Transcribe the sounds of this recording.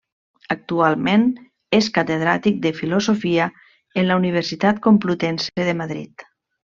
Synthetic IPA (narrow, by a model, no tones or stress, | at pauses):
ək̚t̪ualˠmen | eskat̪eð̞ɾat̪ik̚d̪əfilozofiə | enlauniβ̞əɾsit̪at̪komplut̪ɛnseðəmaðɾḭt̪